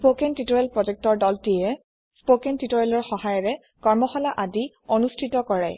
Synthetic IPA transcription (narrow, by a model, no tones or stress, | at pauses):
spokɛntitɔɹɛlpɹɔd͡ʒɛk̚tɔɹdɔltijɛ | spokɛntitɔɹɛlɔɹxɔhajɔɹɛ | kɔɹmɔxɔlaʔadi | onustʰitɔkɔɹɛ